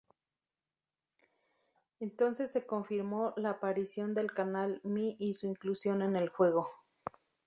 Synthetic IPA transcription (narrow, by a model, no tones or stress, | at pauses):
ent̪o̞nsesːe̞koɱfiɾmolaːpaɾisjo̞nd̪e̞lkanalmiʔisuiŋklusjo̞ne̞ne̞lxwe̞ɣo